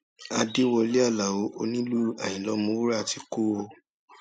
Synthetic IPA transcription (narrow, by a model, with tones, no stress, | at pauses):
a˧di˦wɔ˧li˦a˦˨la˨wo˨˦ʔo˧nĩ˦lu˦a̰˨j̃ĩ˨lɔ˨˧˦mũ˧˦wu˦ɾa˦˨ti˧˦ku˦o˧